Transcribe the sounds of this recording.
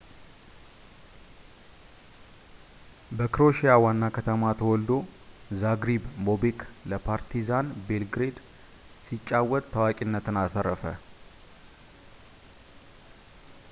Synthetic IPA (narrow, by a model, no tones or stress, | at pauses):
bəkɨɾoʃijawanːakʰət̪ʰəmat̪ʰəwɔld̪o̞zaɡɾibmobekʰləpʰaɾt̪ʰizanbe̞lɡɾe̞d̪ | sit͡ʃʼːawɔt̪ʼt̪ʰːəwakʼinːət̪ɨnat̪ʰəɾəfə̰